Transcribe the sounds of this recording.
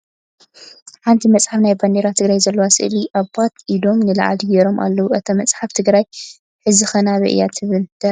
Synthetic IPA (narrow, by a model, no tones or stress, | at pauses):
ħant̪ʰimɐt͡sʼħafnajband̪eɾat̪ʰɨɡɾajzɐlːowasɨʔliʔaβat̪ʔid̪o̞mnɨla̰ʕa̰d̪jɛɾo̞mʔa̰lːɐwuʔɐt̪ʰɐmɐt͡sʼħaft̪ʰɨɡɾaj | ħɨzɨxɐnaβɐ̰ʔja̰t̪ʰɨβɨld̪̥ɐ